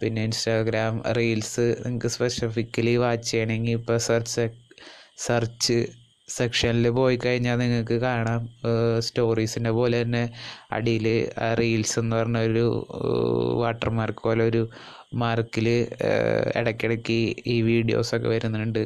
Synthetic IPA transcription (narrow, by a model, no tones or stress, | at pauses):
pinːe̞instaːɡɾaːmriːlsɨniŋɐkːɨspesifikːɐliʋaːt͡ɕːɐeɳeŋɡipːoːsɐrt͡ɕːɨ | sɐrt͡ɕːɨ | sekʂɐnilɨpo̞ːjikːɐɻiɲːaːlniŋːɐɭkɨkaːɳaːmsto̞ːriːsinde̞po̞ːle̞t̪ɐnːe̞ɐ̰ɽijlɨriːlse̞nːɨpɐrɐɲːuoɾṵ | ʋaːʈːɐrmaːrkːɨpo̞ːleo̞ɾu | maːrkːilɨ | ḛɽɐkʲːeɽɐkːiiːʋiːɽijo̰ːso̞kːḛʋɐɾunːɐuɳɖɨ